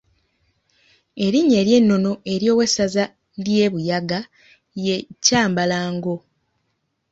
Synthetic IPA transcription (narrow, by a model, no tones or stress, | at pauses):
e̞ɾiɲːe̞ːɾje̞nːo̞no̞ʔe̞ɾjo̞ːwe̞saza | lje̞ːβujaɡa | je̞caːmbalaːŋɡo̞